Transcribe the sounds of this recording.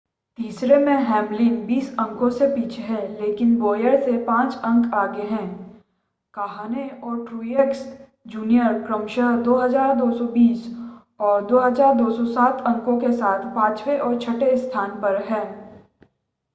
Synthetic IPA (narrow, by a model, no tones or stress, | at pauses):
t̪iːsɾemẽɦɛ̃ːmlɪnbiːsɐ̃ŋkõsepiːt͡ʃʰeɦɛ̃ːleːkɪnbɔːjəɾsepãːt͡ʃɐ̃ŋkaːɡeɦɛ̃ː | kaːɦaːneɔːɾʈɾuːjeːks | d͡ʒuːnijəɾkɾəmʃəɦd̪oːɦɐzaːɾd̪oːsɔbiːs | ɔːɾd̪oːɦɐzaːɾd̪oːsɔsaːt̪ʰɐ̃ŋkõkesaːt̪ʰpãːt͡ʃweʔɔːɾt͡ʃʰɐʈest̪ʰaːnpɐɾɦɛ̃ː